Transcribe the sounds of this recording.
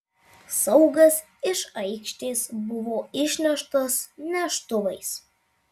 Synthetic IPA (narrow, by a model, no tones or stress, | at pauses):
sɐʊɡɐs | ɪʃɐɪkʃʲt̪ʲeːsbʊʋoːɪʃʲnʲɛʃt̪ɐsnʲɛʃt̪ʊʋɐɪs